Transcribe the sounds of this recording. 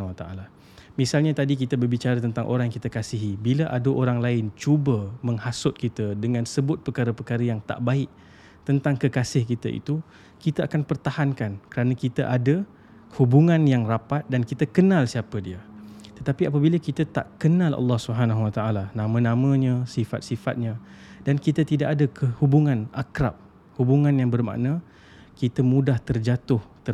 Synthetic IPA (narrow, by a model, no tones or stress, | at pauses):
at̪aʔa̰la | misalɲat̪adik̬it̪əbərbit͡ʃaɾat̪ənt̪aŋʔo̰ɾaŋkit̪akasiɦibiləʔadəʔoɾaŋlaɪnt͡ʃubəmə̃ŋhasʊt̪̚kit̪ədəŋãnsəbʊt̪̚pəkaɾəpəkaɾəjaŋt̪a̰ʔbaɪʔ | t̪ənt̪aŋkəkasɪhkit̪aʔḭt̪u | kit̪aakanpərt̪ahankankəɾanakit̪əʔadə | hubuŋãnjaŋrapat̪̚dankit̪əkənalsiapədiət̪ət̪apiap̬əbiləkit̪at̪a̰ʔkənãlɑ̰lːɑhsubɦanaɦuwat̪aʔalanãmə̃nãmə̃ɲə̃sifa̰t̪̚sifa̰t̪̚ɲãdankit̪at̪idaʔadəkʰəhubuŋãnakɾa̰p̚ | hubuŋãnjaŋbərma̰ʔnə | kit̪əmũdaht̪ərd͡ʒat̪ʊht̪ə